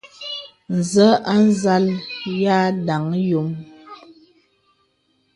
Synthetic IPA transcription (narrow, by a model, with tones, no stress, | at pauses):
n̩˨zə˦ʔa˦n˦za˦lja˦da˨ŋjo˨m